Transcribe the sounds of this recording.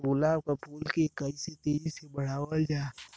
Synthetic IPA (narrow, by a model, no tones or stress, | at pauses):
ɡolab̚kapʰolkekaiset̪eːɾisebəɽ̤aːwəld͡ʒaː